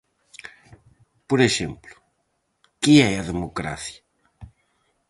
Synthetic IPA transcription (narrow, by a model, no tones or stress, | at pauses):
poɾeʃemplʊ̥ | kɪɛɐðemokɾa̰θjɐ